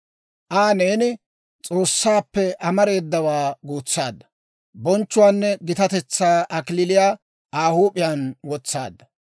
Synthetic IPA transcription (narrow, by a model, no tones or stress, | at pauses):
ʔaːne̞ːnɪ | t͡sʼo̞ːsːaːpːɛʔɐmɐɾe̞ːd̪ːɐwaːɡuːt͡sːa̰ːd̪ːɐ̥ | bɔnt͡ʃːʊwaːnːɛɡɪt̪ɐt̪ɛt͡sːaːʔɐkɪlɪlɪjaː | aːhuːpʼɪjanwɔt͡sːa̰ːd̪ːɐ